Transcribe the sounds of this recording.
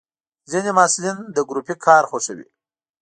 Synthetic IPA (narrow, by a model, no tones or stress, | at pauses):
zinemɑsulind̪əɡɾupikʰɑɾxoʂawḭ